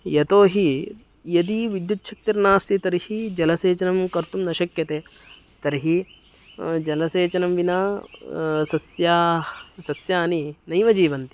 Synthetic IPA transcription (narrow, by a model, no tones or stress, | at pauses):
jɐt̪oːɦi | jɐd̪iːʋid̪jut̪ːʃʰɐk̚t̪ɐɾnaːst̪it̪ɐɾihid͡ʒɐlɐseːt͡ʃɐnɐmkɐɾt̪umnɐʃɐkjɐt̪eː | t̪ɐɾiɦi | d͡ʒɐlɐseːt͡ʃɐnɐmʋinaː | sɐsjaːsɐsjaːninɐjmɐd͡ʒiːʋɐnt̪i̥